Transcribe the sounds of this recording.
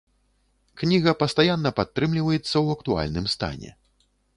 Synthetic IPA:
knʲiɣɐpɐst̪ajanːɐpat̪ːɾɨmlʲivɐjɛt̪sːɐwɐkt̪ua̰lʲnɨmst̪a̰nʲɛ̰

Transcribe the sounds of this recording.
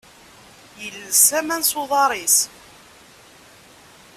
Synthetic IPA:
jəlːəsæmænsˤʊðˤɑɾˤis

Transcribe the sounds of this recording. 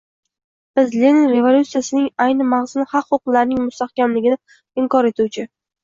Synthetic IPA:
b̥ɪzlenɪnɾe̞volʲut̪sijasɪnɪŋajnɪmaʁzɪnɪχɑqχoqlaɾnɪŋmʊst̪ahkʲamlɪɡʲɪnɪ | ɪŋkɒɾe̞t̪uwt͡ʃʰɪ

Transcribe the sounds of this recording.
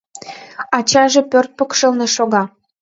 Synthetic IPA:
ɑt͡ɕɑʒĕpørt̪̚pəkʃə̆lnĕʃoɣɑ

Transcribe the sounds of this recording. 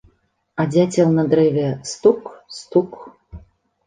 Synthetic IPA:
adʲatʲelnɐd̪ɾɛvʲest̪ukst̪uk

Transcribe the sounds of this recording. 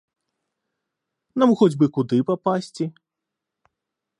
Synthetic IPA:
namxɔd͡zʲbɨkud̪ɨpapasʲt͡sʲi

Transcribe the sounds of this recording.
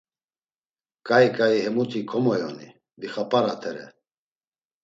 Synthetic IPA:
kʼaikʼaihɛmut̪ʰʼikʰɔmɔjɔni | d̪iχapʼaɾat̪ʰɛɾɛ̰

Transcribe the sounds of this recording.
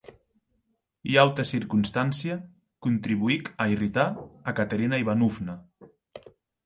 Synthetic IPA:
iawt̪asiɾkunst̪ansia | kunt̪ɾiβuikairit̪aːkat̪eɾinaiβanufna

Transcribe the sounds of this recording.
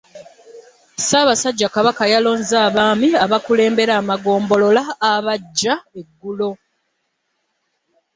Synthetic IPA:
saːβasaɟːakaβakajalo̞ːnzaːβaːmiaβakule̞ːmbe̞ɾaːmaɡo̞ːmbo̞lo̞laːβaɟːae̞ɡːulo̞

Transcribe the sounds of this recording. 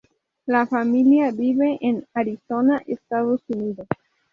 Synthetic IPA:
lafamiliavive̞ʔenaɾiso̞naʔestazosunido

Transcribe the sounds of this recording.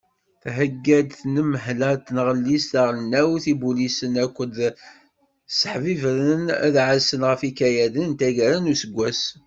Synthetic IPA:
θɦəɡːæd̪θnəmːəɦlæt̪nəʁəlːist̪aʁlənːæwθibulisənækʷːəd̪ | sə̥ħvivɾənæ̰ðʕəsənʁəfikæjæðənt̪æʝæɾænusəɡʷːæs

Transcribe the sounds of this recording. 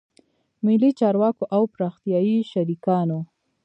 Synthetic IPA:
mɪlːit͡ʃɑɾwɑkoʔawpɾɑxt̪ijɑiʃaɾikɑno

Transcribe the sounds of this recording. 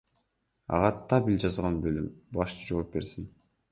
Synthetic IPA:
ɑ̰ʁɑt̪ʰːɑbild͡ʒɑzʁɑnbølymbɑʃt͡ʃɯd͡ʒo̞ːp̚be̞ɾsin

